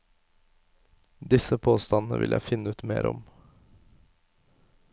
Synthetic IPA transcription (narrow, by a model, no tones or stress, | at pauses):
d̪ɪsəpʰoːst̪ɑnn̩əʋɪ̰ljʔæɪfɪnːəʉːt̪mḛːɾʔɔm